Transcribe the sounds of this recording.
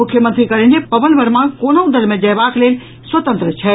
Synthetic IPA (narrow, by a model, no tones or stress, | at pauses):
ʊkʰːjəmənt̪ɾikəɾẽnd͡ʒ̪epɐʋənbəɾmãkoːnoũd̪əlmẽd͡ʒɐɦbakleːl | sʋət̪ə̃nt̪ɾət͡ʃʰɛ